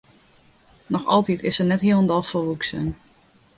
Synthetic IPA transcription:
nɔxɑ̰lˠtitʰɪsənɛtɦiəlˠəndɔlˠfɔʋuksə̰n

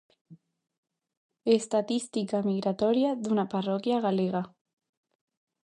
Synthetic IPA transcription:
est̪at̪ist̪ikamiɣɾat̪oɾjaðunaparokjaɣaleɣa

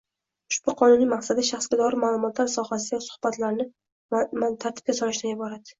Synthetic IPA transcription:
ʊʃb̥ʊqʰɒnʊnːɪmaqsad̪ɪʃaχsɡʲad̪ɒɾɪmaːlˠʊmɒt̪laɾsɒhasɪaasʊ̥hbat̪laɾnɪ | mat̪ʰaɾt̪ʰɪ̥p̚kʲasɒlɪʃd̪anjɪbɒɾad̪ɪ

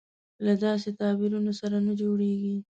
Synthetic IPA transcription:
lad̪ɑs̬et̪ɑbɪɾunosaɾanad͡ʒoɽeɡi

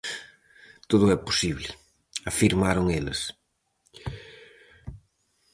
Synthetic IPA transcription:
t̪oðʊɛposiβlɪ | afiɾmaɾoŋelɪ̰s

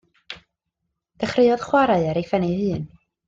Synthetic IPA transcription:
d̥əχrɪɨɔð̥χwaɾaɨəɾejfɛnihɨːn

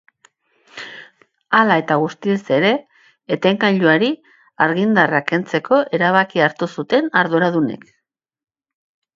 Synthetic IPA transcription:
alae̞t̪aɣ̞ust̪ise̞ɾe̞ː | t̪eŋkaʎuaɾi | aɾɣind̪arake̞nt͡se̞kʰo̞ʔe̞ɾaβ̞akiaɾt̪usut̪e̞naɾðuɾað̞unḛk

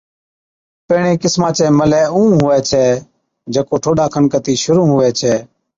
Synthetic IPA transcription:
peːɳẽːkɪsmãːt͡ʃɛːməlɛːũːɦʊʋɛːt͡ʃʰɛː | d͡ʒeːkoːʈʰoːɖaːkʰənkət̪iːʃʊɾũːɦʊʋɛːt͡ʃʰɛː

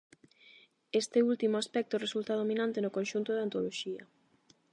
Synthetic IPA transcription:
est̪ɪult̪imʊaspɛk̚t̪ʊresult̪aðominãnt̪ɪnʊkõnʃunt̪ʊðant̪oloʃiɐ̰

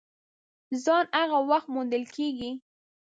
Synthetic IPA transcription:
zɑnaɣawaxt̪̚mond̪əlkʰeɡi

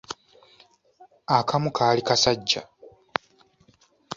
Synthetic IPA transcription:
akamukʰaːlikasaɟːa̰

